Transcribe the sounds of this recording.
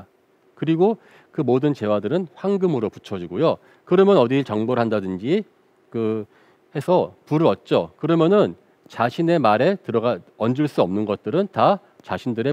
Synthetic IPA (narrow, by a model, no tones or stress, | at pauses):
kɯɾiɡo | kɯmodɯnt͡ɕe̞wadɯɾɯnɸwaŋɡɯmɯɾoput͡ɕʰʌd͡ʑiɡojo | kɯɾʌmjʌnʌdiɭt͡ɕʌŋboɾɦandadɯnd͡ʑi | kɯ | he̞sʰʌpuɾɯɾʌt̚t͡ɕ͈okɯɾʌmjʌnɯn | t͡ɕaɕʰine̞maɾetɯɾʌɡaʌnd͡ʑuɭs͈uʌmnɯnɡʌt̚t͈ɯɾɯnta | t͡ɕaɕʰindɯɾe̞